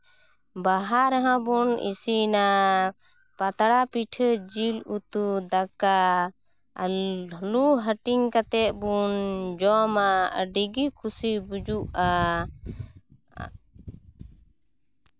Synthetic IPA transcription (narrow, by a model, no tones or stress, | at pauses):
baɦaɾaɦãbunḭsina | pat̪aɽapiʈʰd͡ʒilut̪ud̪aka | luɦəʈiŋkat̪ɛʔ̪̚bund͡ʒɔmaɖiɡikʰusibud͡ʒuʔa